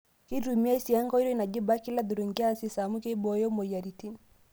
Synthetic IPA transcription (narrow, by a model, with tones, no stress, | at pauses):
ki˦ɾu˨mi˦a˦i˦si˨ja˦ŋɡɔ˦i˦ɾɔ˦i˦na˨ʄi˦ba˦ki˦la˦ðu˨ɾu˨ŋɡi˦a˦si˦sa˨mu˦kɛ˦bɔ˦jɔ˦mɔ˨ja˨ɾi˨ti˦n